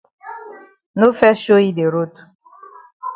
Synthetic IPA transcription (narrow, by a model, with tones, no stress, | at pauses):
no˦fɛ˦ʃo˦i˦de˨ɾo˦tu̥˨